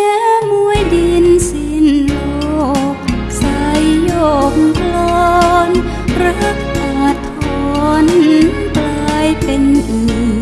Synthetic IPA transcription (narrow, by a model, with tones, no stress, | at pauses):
ɲa˧˥mu˧˥əjdi˧nsi˧nl | o˧k̚ | sa˧˦jːo˧˩k̚ŋ˧kʰlɔː˧n | pɾa˧˦˥k̚ʔaː˧˩t̪ʰːɔː˧n˧ | plaː˧jpe˧nʔi˨˧˩